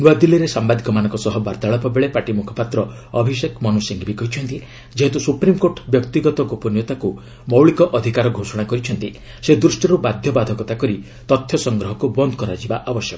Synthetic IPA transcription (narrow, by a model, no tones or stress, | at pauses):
nuad̪iliɾesambad̪ʱikɔmanɔ̃ŋkɔsɔɦɔbaɾt̪aɭɔpɔbeɭepaʈimukʰɔ̥pat̪ɾɔ | ɔbʱisekmɔnusiŋɡʱibikɔɦit͡ʃʰɔnt̪i | d͡ʒeɦet̪usupɾimkoɾʈbjɔkt̪iɡɔt̪ɔɡopɔnjɔt̪aku | mɔwɭikɔʔɔd̪ʱikaɾɔɡʱosɔɽ̃akɔɾit͡ʃʰɔnt̪i | sed̪ɾusʈiɾubad̪ʱjɔbad̪ʱɔkɔt̪akɔɾi | t̪ɔt̪ʰːjɔsɔŋɡɾɔɦɔkubɔnd̪ɔkɔɾad͡ʒibaʔɔbɔsjɔkɔ